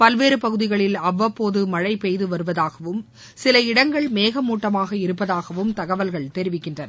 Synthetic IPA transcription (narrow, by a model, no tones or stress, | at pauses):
pɐlʋeːɾɯpɐɣɯðɪɣɐɭɪlɐʋːɐpːoːðɯmɐɻɐɪpejðɯʋɐɾɯʋɐðaːɣɐʋɯm | sɪlɐɪɽɐŋɡɐɭmeːɣɐmuːʈːɐmaːɣɐɪɾɯpːɐðaːɣɐʋɯmt̪ɐɣɐʋɐlɣɐɭt̪ɛɾɪʋɪkːɪndrɐnɐ